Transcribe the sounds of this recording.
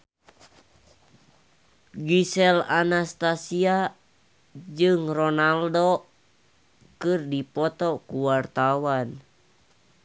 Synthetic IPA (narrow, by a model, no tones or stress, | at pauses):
ɡisɛlanast̪asia | d͡ʒɨŋrɔnaldo | kɨrdipɔt̪ɔkuwart̪awan